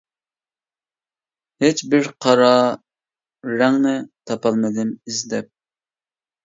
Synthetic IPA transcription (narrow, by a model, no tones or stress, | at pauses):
het͡ʃbɪɾqʰɑɾɑ | ɾɛŋnɪt̪ʰɑpɑlˠmɨd̪ɪnizd̪ɛp̚